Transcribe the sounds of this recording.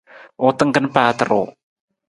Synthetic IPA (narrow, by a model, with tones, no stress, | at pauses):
o˨t̪ə˦ŋkə˦npaː˧t̪əɾo˨